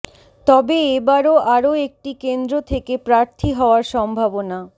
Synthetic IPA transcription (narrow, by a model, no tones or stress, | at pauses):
t̪ɔbeebaɾoʔaɾoek̚ʈikend̪ɾot̪ʰekepɾaɾt̪ʰiɦɔoaɾʃɔmbʱabona